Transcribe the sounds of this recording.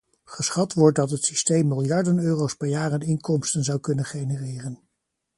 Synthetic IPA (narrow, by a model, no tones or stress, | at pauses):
χəsχɑtʋɔɹt̚dɑtɦətsistejmːɪlˠjɑɹdənøːrowspɛɹjaːrənɪŋkɔmstənzɑwkɵnənχejnərɪːrən